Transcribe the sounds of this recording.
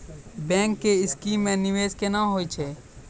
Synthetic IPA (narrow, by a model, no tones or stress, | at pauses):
bɛ̃ːŋkːeɪskiːmːẽnɪʋeːd͡ʒkenaɦoːit͡ʃʰeː